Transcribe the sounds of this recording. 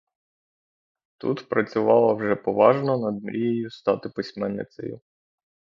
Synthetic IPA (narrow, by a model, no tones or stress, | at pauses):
t̪ut̪pɾɐt͡sʲʊʋɑlˠɐwʒɛpɔʋɑʒnɔnɐd̪mɾʲʔijɔjʊst̪ɑt̪ɪpɪsʲmɛnːɪ̰sʲɐ̰jʊ̰